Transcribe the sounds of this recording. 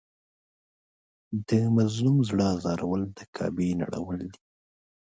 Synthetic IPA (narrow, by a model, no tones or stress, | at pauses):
d̪əmazlumzɽəzɑɾawəld̪əkʰɑ̰bena̰ɽa̰wəld̪i̥